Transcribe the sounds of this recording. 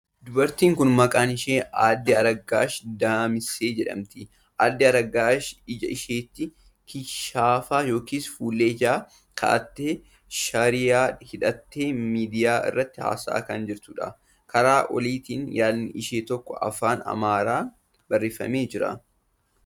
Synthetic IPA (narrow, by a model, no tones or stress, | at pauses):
d̪ʊbɐɾt̪iːŋkʊnmɐkʼaːnɪʃeːaːd̪ːɪɐɾɐɡaːʃd̪aːmɪse̞ːd͡ʒɛᶑɐ̰mt̪ɪ | ʔaːd̪ːɪɐɾɐɡaːʃɪd͡ʒɐɪʃeːt̪ːɪ | kʰɪʃaːfaːjo̞ːkiːsfuːlːeːd͡ʒaː | kʰɐ̰ʔɐt̪ːeː | ʃɐɾɪjaːhɪᶑɐt̪ːeːmiːd̪ɪjaːɪ̰rːɐt̪ːɪha̰ːsa̰ːkɐnd͡ʒɪɾt̪ʊᶑɐ̰ | kɐɾaːʔɔ̰liːt̪iːnjaːlnɪʔɪʃeːt̪ɔkːɔ̰ʔɐ̰faːnɐ̰maːɾaː | bɐrːeːfɐ̰meːd͡ʒɪɾɐ̰